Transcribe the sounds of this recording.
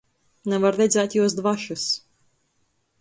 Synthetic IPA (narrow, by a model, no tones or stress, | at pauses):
navaɾɾɛd̪zʲæːt̪ʲjuɔs̬d̪vaʃus